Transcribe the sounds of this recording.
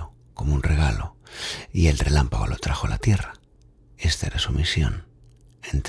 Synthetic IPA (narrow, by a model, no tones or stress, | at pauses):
o | ko̞mounreɣ̞alo̞̰ie̞lre̞lampaɣ̞o̞lo̞t̪ɾaxo̞alat̪je̞ra | e̞st̪aeɾasumisjo̞̰n | ent̪